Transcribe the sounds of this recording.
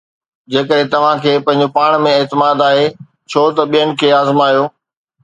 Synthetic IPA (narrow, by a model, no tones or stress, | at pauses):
d͡ʑeːkəɗɦẽt̪ɐʋ̤ãkʰeːpɐ̃ɦɪ̃ɲ̆d͡ʑopaːɽ̃mẽeːt̪ɪmaːd̪aːɦe | t͡ɕʰoːt̪ɐɓijəñɪ̆kʰeːaːzmaːijoː